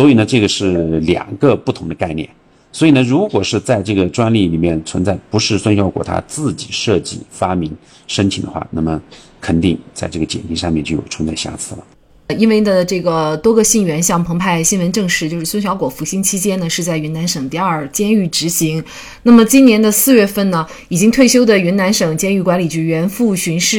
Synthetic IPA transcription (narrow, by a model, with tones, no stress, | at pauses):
swɔ˧˥i˨˩nə˦ʈ͡ʂɤ˥˩ɡə˩ʂɻ̩˥˩ljɑ̰˨˩ŋɡə˧pu˥˩t̪ʰʊ˧˥ŋd̪ə˧ka˥˧ɪnjɛ̰˥˩n | swɔ˧˥i˨˩nə˦ɻu˧˥kwɔ˨˩ʂɻ̩˥˧t͡sa˥˧ɪʈ͡ʂɤ˥˩ɡə˩ʈ͡ʂwa˥nli˥˩li˨˩mjɛ˥˩nt͡sʰwə˧˥nt͡sa˥˩ɪpu˧˥ʂɻ̩˥˩swə˥nɕjɑ˧ʊkwɔ̰˨˩t̪ʰa̰˥t͡sɹ̩˥˩t͡ɕi˨˩ʂɤ˥˧t͡ɕḭ˥˨˩fa˥mi˧˥ŋ | ʂə˥nt̪ʰi˨˩ŋd̪ə˦˥xwa̰˥˧˩na̰˥˩mə˩ | kʰə˨˩nt̪i˥˧ŋt͡sa˥˧ɪʈ͡ʂɤ˥˩ɡə˩t͡ɕjɛ̰˨˩nt̪i˧˥ʂɑ˥˧ŋmjɛ˥˧nt͡ɕjo˥˩jo̰˨˩ʈ͡ʂʰə˧˥t͡sʰa˥˩ɕja̰˥˩t͡sʰɹ̩˥˩lə̰˩ | i˥nwe˥˩ɪd̪ə˩ʈ͡ʂɤ˥˩ɡə˩t̪wɔ˥ɡə˧ɕi˥˩ŋɥɛ˧˥nɕjɑ˥˩ŋpʰɤ˧˥ŋpʰa˥˩ɪɕi˥nwə˧˥nʈ͡ʂɤ˥˧ŋʂɻ̩˥˩t͡ɕjo˥˧ʊʂɻ̩˥˩wə˥nɕjɑ˧˥ʊkwɔ˨˩fu˧˥ɕi˥ŋt͡ɕʰi˥t͡ɕjɛ˥nə˨ʂɻ̩˥˧t͡sa˥˩ɪɥy˧˥na˧˥nʂɤ˨˩ŋt̪i˥˧ə˞˥˩t͡ɕjɛ˥ny˥˩ʈ͡ʂɻ̩˧˥ɕi˧˥ŋ | na˥˩mə˩t͡ɕi˥nnjɛ˧˥nd̪ə˧sɹ̩˥˧ɥɛ˥˧fə˥˩nnə˩ | i˨˩t͡ɕi˥ŋt̪ʰwe˥˩ɪɕjo˥ʊd̪ə˨ɥy˧˥nna˧˥nʂɤ˨˩ŋt͡ɕjɛ˥ny˥˩kwa˧˥nli˨˩t͡ɕʰy˧˥ɥɛ˧˥nfu˥˩ɕy˧˥nʂɻ̩˥˩